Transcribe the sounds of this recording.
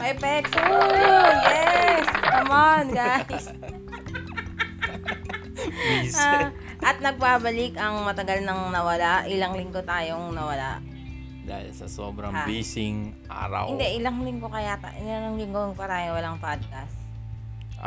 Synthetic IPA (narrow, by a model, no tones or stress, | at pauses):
mɐʔɛpɛk̚tonjɛsnɐmanɡajs | a | ʔʔɐt̪̚nɐɡ̚baːbɐlɪkɐŋmɐt̪ɐɡalnɐŋnɐwɐlaʔɪlɐŋlɪŋɡo̞t̪aːjoŋnɐwɐla̰ʔ | d̪a̰ːhɪ̰lsɐso̰bɾɐŋbiːsɪŋ | ʔa̰ːɾɐ̰wɪnd̪ɛʔɪlɐŋlɪŋɡo̞kɐjat̪aʔɪlaŋɐŋlɪŋɡoŋpɐɾaːjowɐlaŋpad̪̚kɐs